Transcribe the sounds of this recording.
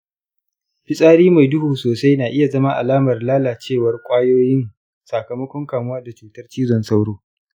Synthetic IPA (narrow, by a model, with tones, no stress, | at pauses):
ɸɪ˦sʼaː˦ɽiː˦ma˨jdʊ˦huː˨soː˨sa˦jnaː˨ʔɪ˦ja˨zɐ˦ma˦ʔa̰˨laː˦mɐ˨rlaː˦laː˨t͡ʃeː˦˨wɐ˨rkʷʼaː˦joː˦jɪ˦n | sa˨kɐ˨mɐ˦kʷɔ˦ŋkaː˨mʊ˦waː˦da˨t͡ʃuː˨tɐ˦rt͡ʃiː˦zɔ˨nsa˦wɽoː˦